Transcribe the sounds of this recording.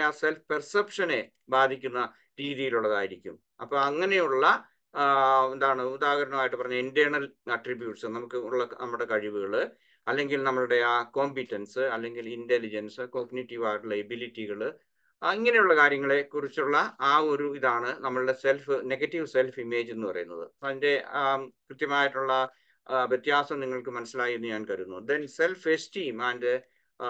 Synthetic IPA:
aːselfɨ̥persɐpʂɐne̞ | baːd̪ʱikʲːunːɐ | ɾiːðijiluɭːɐðaːjiɾikʲːum | ɐpːoːɐŋːɐne̞juɭːɐ | end̪aːɳɨud̪aːɣɐɾɐnɐmaːjiʈːɨpɐrɐɲːaindjɐɳɐlɐʈribjuːʈsɨnɐmukːɨuɭːɐnɐmːɐɭɽe̞kɐɻiʋuɣɐɭɨ | ɐlːe̞ŋɡilnɐmːɐɭuɽe̞aːko̞ːmpitːɐnsɨɐlːe̞ŋɡilintelid͡ʑɐnsɨko̞ːɡniʈːiʋaːjiʈuɭːɐebilitːiɣɐɭ | iŋːɐne̞juɭːɐkaːɾjɐŋːɐɭe̞kurit͡ɕːuɭːɐaːo̞ɾuiðaːɳɨnɐmːɐɭɽe̞se̞lfɨne̞ɡɐtːiʋɨse̞lfime̞ːd͡ʑe̞nːupɐ̰rɐ̰junːɐ̰ðɨ̰ɐðinde̞krɨt̪jɐmaːjiʈːuɭːɐ | ʋjet̪jaːsɐmniŋːɐɭkɨmɐnɐsːilaːjunːuɲaːnkɐɾunːud̪ense̞lfestiːmɐːndɨ

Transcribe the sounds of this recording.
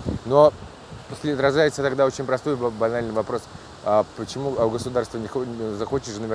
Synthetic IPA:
no̞ | sʲlʲɪɐt̪ɾɐʐajɪt̪sət̪ɐɡd̪ao̞t͡ɕɪnʲpɾɐst̪o̞jbɐnalʲnɨjvɐpɾo̞s | apət͡ɕɪmuɡəsʊd̪arst̪vənʲɪxzɐxo̞t͡ɕɪʂɨnəvʲɪ

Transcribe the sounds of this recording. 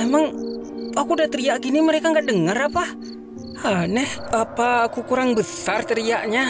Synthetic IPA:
emaŋakudat̪əɾiaʔɡiniməɾekaŋɡaʔdəŋarapa | anɛhapakukuɾaŋbəsart̪əɾiaʔɲa

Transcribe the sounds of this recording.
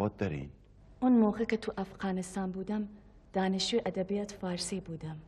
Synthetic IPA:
ɑːt̪̚d̪ɐɾḭn | ʔunmoːxɐkɐt̪ʰuʔɐfɣɑːnɪst̪aːnbuːd̪ɐm | d̪̥aːnɪʃueʔɐd̪ɐbijaːt̪faːɾsiːbuːd̪ɐm

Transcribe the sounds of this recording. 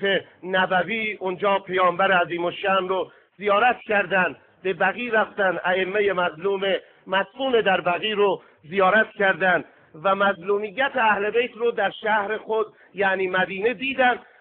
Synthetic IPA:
enæbæviːʔond͡ʒɒːpʰejɒːmbæɾeæziːmoʃæmɾo | z̥ijɒːɾæt̪cʰæɾd̪ænd̪ | be̞bæɣiːɾæft̪ænd̪æemːeje̞mæzluːme | mæskuːne̞d̪æɾbæɣiːɾo | zijɒːɾæt̪cʰæɾd̪ænd̪ | væmæzluːmijːæt̪ʰeæhle̞bejt̪ʰɾod̪æɾʃæhɾexod̪ | jæniːmæd̪iːned̪iːd̪ænd̪

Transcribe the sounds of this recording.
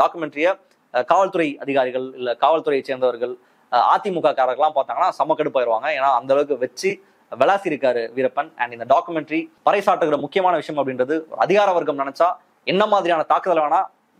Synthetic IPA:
ɖaːkːɯmɛɳʈɾɪjɐ | kaːʋɐɭt̪ɯɾɐɪɐðɪɣaːɾɪɣɐɭɪlːɐkaːʋɐɭt̪ʊɾɐɪt͡ʃeːɾnd̪ɐʋɐɾɣɐɭ | a̰ːt̪ːimʊkːaːkaːɾɐɣɐɭlːãːmpaːɾt̪aːŋɡɐnːaːsɐmːɐkːɐɽɯpːaːjɪɾɯʋaːŋɡɐeːnːaːɐnd̪ɐlɐʋɯk̬ːɯʋɛt͡ʃːɯ | ʋɛɭaːsiɪɾɯkːaːɾɯʋɪɾɐpːɐnɐ̰ɳɖɪnd̪ɐɖaːkːɯmɛɳʈɾipɐɾɐɪsaːʈːɯɣɯɾɐmʊkːɪjɐmaːnɐʋɪʂɐjɐmɐpːɐɽɪnrɐðɯɔ̰ɾɐðɪɣaːɾɐʋɐɾɣɐɭmnɪnɐt͡ʃːaː | ɛnːɐmaːðɪɾɪjaːnɐt̪aːkɯðɐlʋaːnaː

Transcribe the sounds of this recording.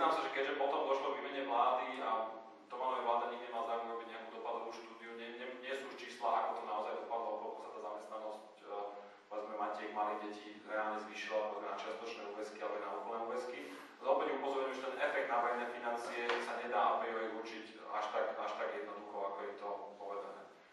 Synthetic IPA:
naːmsaʒɛkɛʒɛpɔt̪ɔmd̪ɔʃlɔʋiːmɛɲɛʋlaːd̪ia | t̪ɔmanɔajʋlaːd̪aɲiɡɲɛmalazaːɾɛmɾɔbiɟɲɪakud̪ɔpad̪ɔʋuːʃt̪uːd̪iuɲɛɲɛɲɪɛsuuʃt͡ʃiːslaakɔt̪ɔnaɔzajɔpad̪lɔɛbɔlkɔsat̪aːzamɛst̪nanɔsc | pɔʋɛd͡zmɛmacɪɛiɡmaliɟɛciɾɛaːlˠɲɛzʋiːʃilaɛbɔɡnat͡ʃɪast̪ɔt͡ʃnɛːuːʋɛskialɛbɔnauːkɔlnɛːuːʋɛski | zɔpɛɲɛupɔzɔɾɲʊɛmʒɛt̪ɛnʔɛfɛk̚d̪navɛɾɛjnɛːfinant͡siɛsaɲɛd̪aːɔpɾɛɦɔɛuɾt͡ʃica̰ʃt̪akaʃt̪aɡjɛd̪̚nɔd̪uxɔakɔjɛt̪ɔpɔʋɛd͡zanɛ̰ː

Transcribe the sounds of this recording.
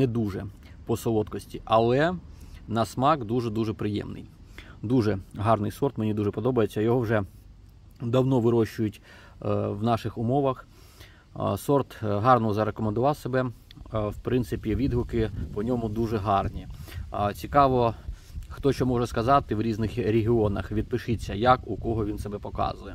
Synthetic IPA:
nɛd̪uʒɛ | pɔsɔlˠɔt̪kɔsʲtʲiʔɐlˠɛnɐsmɑkd̪uʒɛd̪uʒɛpɾɪjɛ̰mnɪ̰j | d̪uʐɛɦɑrnɪjsɔrt̪menʲid̪uʒɛpɔd̪ɔbɐjet͡sʲːɐjɔɦɔwʐɛ | d̪ɐwnɔʋɪɾɔʃt͡ʃʊjʊtʲ | ʋnɑʃɪxʊmɔʋɐx | sɔrt̪ɦɑrnɔzɐɾekɔmend̪ʊʋɑwsɐbɛ | wpɾɪnt̪sɪpʲiʋʲid̪ɦʊkɪpɔnʲɔmʊd̪uʒɛɦɑrnʲit͡sʲikɑʋɔ | xt̪ɔʃt͡ʃɔmɔʒɛskɐzɑt̪ɪwɾʲiznɪxɾʲeɦʲɪɔnɐxʋʲid̪̚pɪʃɪt͡sʲːɐjakʊkɔɦɔʋʲinsɐbɛpɔkɑ̰zʊjɛ

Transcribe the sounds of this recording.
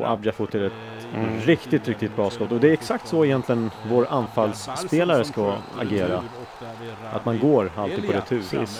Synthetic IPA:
ɔ̰ʔa̰bd͡ʒafʊt̪ʰːɪɾɛt̪ | ɾɪkt̪ɪt̪ɾɪk̚t̪ɪt̪̚bɾɑːskɔt̪ːɔd̪ɛæɾɛksakt̪sɔɪjɛnt̪ʰlɪɡənvoːɾanfalspeːlaɾəskaa̰ɡeːɾa | a̰t̪manɡoːɾalt̪ɪːɡ̪pɔd̪ɛt̪ʰʉ̟̰ː

